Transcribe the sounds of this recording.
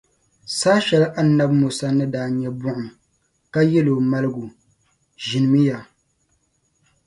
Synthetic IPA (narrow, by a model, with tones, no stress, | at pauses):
saː˦ʃɛ˨lʔa˦na˦bmʊ˨sa˦nɨ˦daː˨ɲɛ˦bʊ˦ʔʊ˨m | ka˦jɛ˦lo˨ma˦lɨ˦ɡu˨ | ʒi˨nɨ˨mɨ˦ja˨